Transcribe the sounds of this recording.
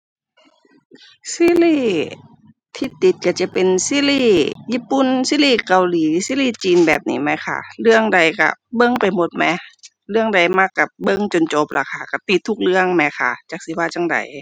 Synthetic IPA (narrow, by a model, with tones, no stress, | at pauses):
siː˧˥˨liː˧˥˨ | t̪ʰiː˧t̪i˨˦t̪̚ka˧˩t͡ɕa˧˩pe˨nsiː˧˨liː˧˩jiː˧˥˨pːu˧˩˨nsiː˧˥˨liː˧˥˨ka˨wliː˨˦siː˧˥˨liː˧˨t͡ɕiː˨nbɛ̰ː˨˩p̚nḭː˧mɛ˧˥kʰa̰˧˩lɯ˧˨əŋda˨˩jka̰˧˩bɤ˧˨ŋpa˨˩jmo˧˦t̪̚mɛ˧˥ | lɯ˧˨əŋda˨˩jma˧˥˨kːa˧˩p̚bɤ˧˨ŋt͡ɕo˨nt͡ɕo˧˦p̚lʔa̰˧˩kʰa˧˩ka˧˩t̪i˧˩t̪ʰːu˧˥k̚lɯ˧˨əŋmɛ˧˥kʰa̰˧˩t͡ɕa˧˩k̚si˧˦waː˧˨t͡ɕa˧˨ŋda̰˨˦j